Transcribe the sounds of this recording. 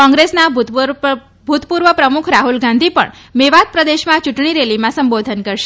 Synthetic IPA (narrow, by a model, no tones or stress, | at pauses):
ɔ̃ŋɡɾesna | bʱut̪puɾʋəpɾəmukʰɾaɦulɡãnd̪ʱipə̰ɳ | meʋat̪̚pɾəd̪eʃmãt͡ʃuʈɳ̃iɾelimãsəmbod̪ʱənkəɾʃe